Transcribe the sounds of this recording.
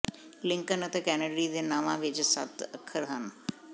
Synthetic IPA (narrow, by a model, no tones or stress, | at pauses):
lɪ̃ŋkənət̪ẽːkɛːnəɖɾid̪eːnaːʋãːʋɪt͡ʃsə̰t̪ʰəkʰːəɾɦən